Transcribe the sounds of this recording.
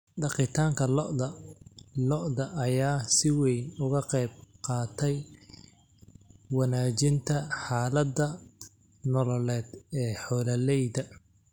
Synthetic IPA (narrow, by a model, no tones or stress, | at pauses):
ɖɑqɪt̪ʰaːŋkʰɐlɐ | lɔʔðɐʔːjaːsɪwɛjnʊɣɐqɛjb̚qɑːt̪ʰɛj | wɑnaːt͡ʃɪnt̪ʰɐħaːlɐd̪ɐ | nɔlɔlɛːd̪ɛːħɔːlɐlɛjd̪ɐ